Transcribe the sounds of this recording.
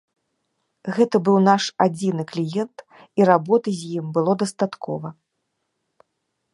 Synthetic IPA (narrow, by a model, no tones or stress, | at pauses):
ɣɛt̪ɐbɨwnaʂad͡zʲinɨklʲijɛnt̪ | iɾabɔt̪ɨzʲjimbɨlˠɔd̪ɐst̪at̪kʰɔ̰vɐ